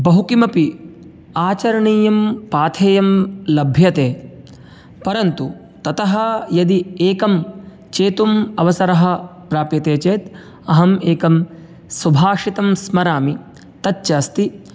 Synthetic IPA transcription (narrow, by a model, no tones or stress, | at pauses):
bɐɦukimɐpi | aːt͡ʃɐɾɐɳiːjɐmpaːt̪ʰeːjɐmlɐbʱjɐt̪eː | pɐɾɐnt̪u | t̪ɐt̪ɐɦɐjɐd̪ieːkɐm | t͡ʃeːt̪umɐʋɐsɐɾɐɦɐ̆pɾaːpjɐt̪eːt͡ʃeːt̪ | ɐɦɐmeːkɐm | subʱaːʂit̪ɐmsmɐɾaːmi | t̪ɐtːt͡ʃaːst̪i